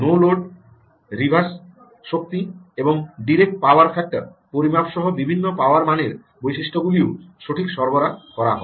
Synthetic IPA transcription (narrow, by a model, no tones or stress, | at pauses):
noloɖ | ɾibʱas | ʃok̚t̪ieboŋɖiɾek̚ʈ̚paoaɾfʰɛk̚ʈaɾpoɾimapʃɔɦobibʱinːopaoaɾmaneɾ | bojʃiʃʈoɡulioʃoʈʰikʃɔɾboɾakɔɾaɦɔ̰e